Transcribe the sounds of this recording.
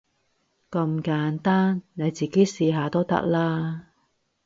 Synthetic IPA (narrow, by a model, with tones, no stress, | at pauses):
kɐ˧mkaː˨˥nt̪aː˥nne˨˧jt͡siː˨˩ke˨˦˥jsiː˧ɦaː˨˧t̪o˥wt̪ɐ̰˥k̚laː˥